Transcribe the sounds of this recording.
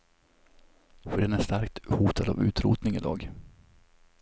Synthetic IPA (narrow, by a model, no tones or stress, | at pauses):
fœɾɛnɛst̪aɾkt̪huːt̪ʰad̪a̰ːvʉ̟ːt̪ɾṵːt̪nɪŋɪd̪ɑ̰ːɡ